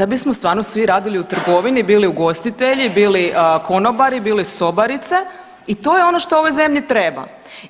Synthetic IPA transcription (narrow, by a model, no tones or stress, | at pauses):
abismost̪ʋaːɾno̞sʋiɾaːd̪iliut̪r̩ɡo̞ʋinibiːliuɡo̞st̪it̪eʎibiːliko̞nobaɾibiːliso̞baɾit̪se | it̪o̞ːjeo̞noʃt̪ooʋo̞jze̞mʎit̪ɾeba̰